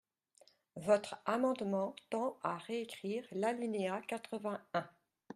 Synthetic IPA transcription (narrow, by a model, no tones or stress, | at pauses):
vɔt̪χamɑ̃d̪mɑ̃t̪ɑ̃aʁeekχiːʁlalineakat̪χəvɛ̃ɛ̃